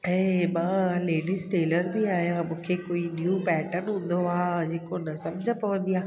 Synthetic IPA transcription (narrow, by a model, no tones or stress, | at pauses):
emãːleːɖisʈeːləɾbʱiaːɦijamũːkʰekoːinjupɛːʈəɾnɦũːnd̪oaːd͡ʑeːkonɐsɐmd͡ʑʱəpɐʋə̃nd̪ijaː